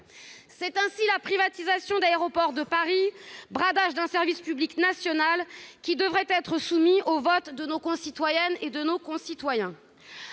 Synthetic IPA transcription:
sɛt̪ɛ̃silapχivat̪izasjɔ̃d̪aeʁɔpɔʁd̪əpaʁibʁad̪aʒd̪ɛ̃sɛʁvispybliknasjɔnalkʲid̪əvʁɛt̪ɛt̪χəsumiovɔt̪d̪ənokɔ̃sit̪wajɛned̪ənokɔ̃sit̪wajɛ̃

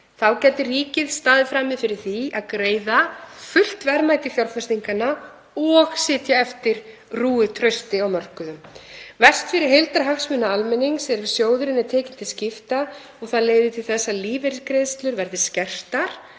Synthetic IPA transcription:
θawcɛt̪ɪriːcɪðst̪aːðɪfɾaːmɪðfɪɾɪɾ̥θiaðkɾeːjðafʏl̥t̪vɛɾmaːjt̪ɪθjawlfœst̪iŋkana | ɔɣsɪːt̪jaɛft̪ɪɾ̥ | ruːʏt̪ʰɾœɥst̪ɪawmœr̥kʏðʏmvɛr̥st̪fɪɾɪɾ̥ɦejlt̪aɾɦaxsmʏnːaalmɛnːiŋksɛɾɪsjoːwðʏɾɪnɛt̪ʰeːcɪn̥t̪ʰɪlscɪft̪a | ɔɣθaðleːjðɪt̪ʰɪlθɛsːaðliːvɛɾkɾejðst̪lʏɾvɛɾðɪ̥scɛr̥t̪aɾ̥

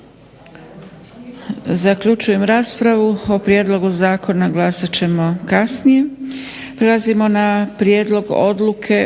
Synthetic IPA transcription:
zakʎut͡ʃuje̞mɾaːspɾaʋuo̞pɾje̞d̪lˠo̞ɡuzaːkʰo̞naɡlˠaːsat͡ɕe̞mo̞kasnije̞pɾelˠazimo̞napɾjeːd̪lˠo̞ɡo̰d̪lˠukʰe̞

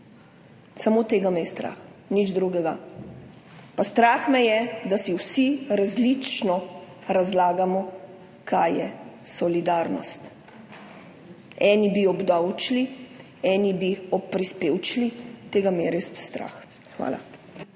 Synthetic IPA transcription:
samoːt̪eːɡamɛjst̪ɾa̰ːxnid͡ʒd̪ɾuɡɛɡa | past̪ɾaːxmɛjɛd̪asiwsiɾazlit͡ʃnɔ | ɾazlaːɡamɔ | kʰaːjjɛ̰sɔlid̪aːɾnɔ̰st̪ | ɛːnibiɔbd̪awt͡ʃli | ɛːnibiɔppːɾispeːwt͡ʃlit̪eːɡamɛjɛɾespst̪ɾa̰ːx | xʋa̰ːla̰

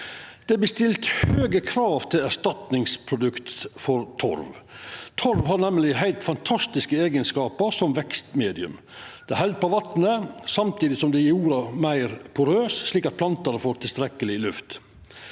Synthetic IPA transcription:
d̪̥ɛbəst̪ɪlt̪høːɡəkʰɾɑːʋt̪ʰɪlæɾʂt̪ɑt̪nɪŋspʰɾʊd̪ʉkt̪fɔɾt̪ʰɔ̰ɾʋt̪ʰɔɾʋɦɑnɛmlɪɦæɪlt̪fɑnt̪ʰɑst̪ɪskəeːɡənskɑːpəɾsɔmʋɛkst̪meːd̪ɪʉ̰m | d̪̥ɛæhɛld̪̚poʋɑt̪nəsɑmt̪ʰiːd̪ɪsɔmd̪ɛjuːɾɑmæɪɾpʰʊɾøːsʂɭiːkɑt̪̚pʰlɑnt̪ɑnəfoːɾt̪ʰɪlst̪ɾɛkəlɪlʉft̪

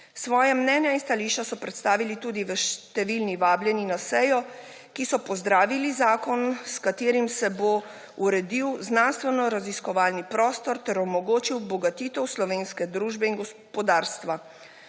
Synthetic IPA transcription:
sʋɔːjamnɛːnjainst̪aliʃt͡ʃasɔpɾɛt̪st̪aːʋilit̪uːd̪iʋəʃt̪ɛʋilniʋaːbljɛninasɛjɔ | kisɔpɔzd̪ɾaːʋilizaːkɔnskat̪eːɾimsɛbo | uɾɛd̪iwznanst̪ʋɛnɔɾaziskɔʋaːlnipɾɔːst̪ɔɾt̪ɛɾɔmɔɡoːt͡ʃiwbɔɡat̪iːt̪ɛwslɔʋeːnskɛd̪ɾuːʒbɛinɡɔspɔd̪aːɾst̪ʋa

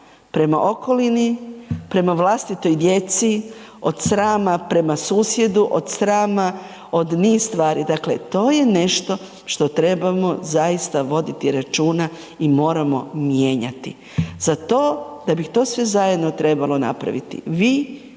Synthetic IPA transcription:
pɾe̞ma̰ʔo̞ko̞linipɾe̞maʋlˠast̪it̪o̞jd̪je̞t̪si | o̞d̪sɾaːmapɾe̞masuːsje̞d̪uʔod̪sɾaːma | od̪niːsst̪ʋaːɾid̪akle̞t̪o̞ːje̞ne̞ʃt̪o̞ | ʃt̪o̞t̪ɾe̞bamozajist̪aʋo̞d̪it̪iɾat͡ʃuːna | imo̞ːɾamo̞mje̞ːɲa̰t̪ḭ | z̥at̪o̞ːd̪abixt̪o̞ːsʋezajed̪not̪ɾe̞balo̞na̰pɾa̰ʋḭt̪ḭʋiː

